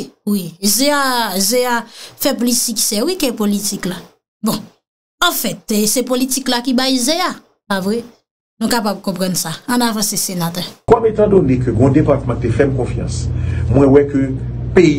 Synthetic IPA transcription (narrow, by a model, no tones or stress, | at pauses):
wizeazeafɛp̬olisiki̥sɛwikɛpolitikla | bɔ̃ | ɑ̃fɛt̪sepolitiklakibajzea | savɣɛ | nũkapab̚kɔ̃pʁɑ̃nsãːnavãsesenat̪ɛkɔmet̪ãd̪onekøɡɔ̃depaʁt̪mãt̪efɛmkɔ̃fjɑ̰̃smwɛ̃wɛkøpe